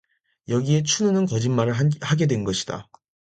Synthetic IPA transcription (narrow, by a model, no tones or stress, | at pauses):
jʌɡie̞t͡ɕʰununɯnkʌd͡ʑinmaɾɯɭhaɡe̞dwe̞nɡʌɕʰid̥a̰